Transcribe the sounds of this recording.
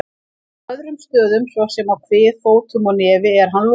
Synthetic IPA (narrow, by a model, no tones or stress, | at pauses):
œðɾʏmst̪œːðʏmsvɔsɛmawkʰvɪːðfoːwt̪ʰʏmɔnɛːvɪɛɾ̥ɦanl